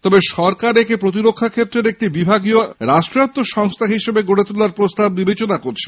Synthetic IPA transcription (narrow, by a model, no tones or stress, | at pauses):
t̪ɔbeʃɔɾkaɾekepɾot̪̬iɾokʰːakʰet̪ːɾeɾek̚ʈibibʱaɡioɾaʃʈɾat̪ːoʃɔŋst̪ʰaɦiʃebeɡoɽet̪ulaɾpɾost̪abːibet͡ɕonakoɾt͡ɕʰe̥